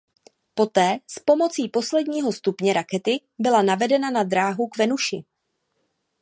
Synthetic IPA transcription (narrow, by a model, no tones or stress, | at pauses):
po̞t̪ɛːspo̞mo̞t͡siːpo̞slɛdɲiːɦo̞st̪upɲɛɾakɛt̪ɪ | bɪlanavɛdɛnanad̪ɾaːɦukvɛnuʃɪ